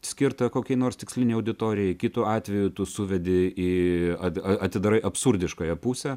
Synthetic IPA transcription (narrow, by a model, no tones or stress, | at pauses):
sʲkʲɪrt̪ɐkoːkʲɛɪnoːrst̪ʲɪksʲlʲɪnʲɛɪɐʊd̪ʲɪt̪oːɾʲɪjɛɪkʲɪt̪uɑːt̪ʲʋʲɛjʊt̪ʊsʊʋʲɛd̪ʲɪiːɐɐɐt̪ʲɪd̪ɐɾɐɪʔɐpsʊɾʲd̪ʲɪʃkoːjɛpusʲɛ